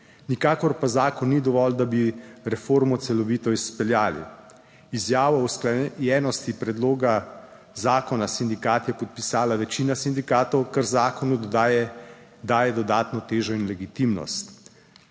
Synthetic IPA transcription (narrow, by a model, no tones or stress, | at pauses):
nikaːkɔɾpazaːkɔnːid̪ɔʋɔld̪abiɾɛfoːɾmɔt̪sɛlɔʋiːt̪ɔispɛljaːlḭ | izjaːʋɔwsklajɛːnɔst̪ipɾɛd̪loːɡa | zaːkɔnasind̪ikaːt̪jɛpɔt̪̚pisaːlaʋɛt͡ʃiːnasind̪ikaːt̪ɔwkəɾzaːkɔnu | d̪aːjɛd̪ɔd̪aːt̪nɔt̪eːʒɔinlɛɡit̪imnɔ̰st̪